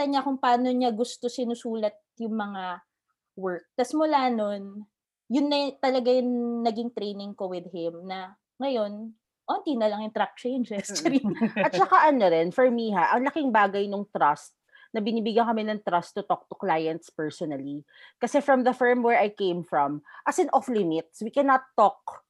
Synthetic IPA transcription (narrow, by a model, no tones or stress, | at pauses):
t̪ɐɲakʊŋpɐaːno̞ɲaɡʊst̪osɪnʊsuːlɐt̪̚jʊŋmɐŋa | wɛɹk̚t̪ɐsmʊlaːno̞n | jʊnːɐt̪ɐlɐɡajʊŋnɐɡɪŋt̪ɾejnɪŋko̞wɪð̚hɪmnɐ | ŋɐjo̞n | ʔont̪inɐlɐŋjʊŋt̪ɾak̚t͡ʃẽjnd͡ʒɛst͡ʃɛɾiʔɐt̪̚t͡ʃɐkaʔɐnoɾɛnfɔɹmiɦaʔɐŋlɐkɪŋbaːɡɐjnʊŋt̪ɾɐst̪̚ | nɐbɪniːbɪɡɐŋkɐmɛnɐŋt̪ɾɐst̪ːʊt̪ɔk̚t̪ʊ̥klaːjɐnt̪spɛɹsɔnɐli | kɐsɛfɹɐmðɐfɛɹmwɛɹʔɐjkẽjmfɹɔmʔɐsɪnʔɔflɪmɪt̪̚swikɛnɐt̪ːɔk̚